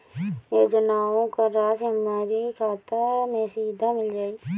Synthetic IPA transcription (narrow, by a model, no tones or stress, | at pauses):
jeːd͡ʒənaːʋõkaɾaːsəmaːɾikʰaːt̪əɾmẽsiːd̪ʱamɪld͡ʒaːiː